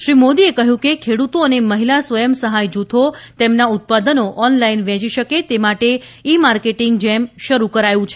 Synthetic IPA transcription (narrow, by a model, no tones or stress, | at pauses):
ʃɾimod̪iekəɦjũkekʰeɽut̪oəneməɦilasʋəjəmsəɦajd͡ʒut̪ʰot̪emnaut̪̚pad̪ənoʔɔnlainʋɛ̃t͡ʃiʃəket̪emaʈe | imaɾkeʈiŋɡd͡ʒɛmʃəɾukəɾajũt͡ʃʰe